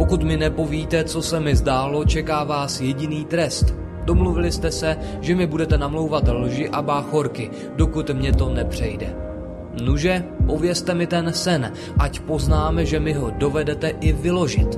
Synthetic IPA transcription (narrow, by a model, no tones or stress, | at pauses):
po̞kut̪mɪnɛpo̞viːt̪ɛt͡so̞sɛmɪzdaːlo̞t͡ʃɛkaːvaːsjɛɟɪniːt̪ɾɛst̪ | d̥o̞mluvɪlɪst̪ɛsɛ | ʒɛmɪbudɛt̪ɛnamlo̞wvat̪lʒɪʔabaːxo̞ɾkɪ | do̞kut̪mɲɛt̪o̞nɛpr̝̥ɛjdɛ̰ | nuʒɛpo̞vjɛst̪ɛmɪt̪ɛnsɛn | ʔacpo̞znaːmɛʒɛmɪɦo̞do̞vɛdɛt̪ɛʔɪvɪlo̞ʒɪ̰t̪